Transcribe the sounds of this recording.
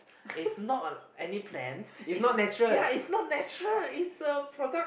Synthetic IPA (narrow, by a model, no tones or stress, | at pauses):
isnɔtəɛnipʰlɛ̰̃ntisnɔt̚nɛt͡ʃɹəlaisnɔt̚nɛt͡ʃɹəlitsəpʰɹɔdək